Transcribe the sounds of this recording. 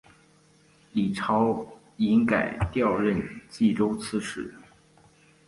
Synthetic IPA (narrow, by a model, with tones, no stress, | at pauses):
li˨˩ʈ͡ʂʰɑ˧˥ʊ | i˧˥nka˨˩ɪt̪jɑ˥˧ʊɻə˥˧nt͡ɕi˥˩ʈ͡ʂo˥ʊt͡sʰɹ̩˥˧ʂɻ̩˥˩